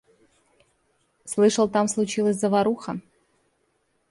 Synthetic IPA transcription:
slˠɨʂəlˠt̪amslˠʊt͡ɕilˠəsʲzəvɐɾuxə

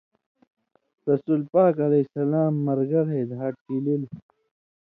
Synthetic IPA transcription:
ɾɐsulpaːkɐlɐsɐlaːmːɐɾɡɐɾɦed̪ɦaːʈ̚kilil

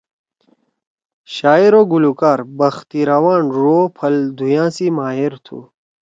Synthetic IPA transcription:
ɕaːiɾoɡulukaːɾbɐxt̪iɾɐwaːnɾoːpʰɐld̪ʱujãːsimaːɦiɾt̪ʰṵː

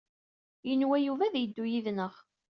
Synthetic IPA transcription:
jənwæjuvæðjəd̪ːujiðnəʁ

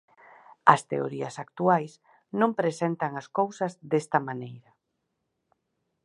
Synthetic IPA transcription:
ɐst̪ḛo̰ɾiɐsak̚t̪uajs | nõmpɾesent̪ɐŋɐskowsɐzd̪est̪ɐmanejɾɐ

